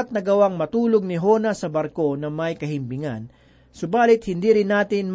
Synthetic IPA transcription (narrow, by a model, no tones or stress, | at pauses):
t̪̚nɐɡɐwaŋmɐt̪uːloɡ̚nɪɦoːnɐsɐbɐɾko̞nɐmɐjkɐɦɪmbɪŋa̰n | sʊbaːlɪt̪̚hɪnd̪iːɾɪnːaːt̪ɪnm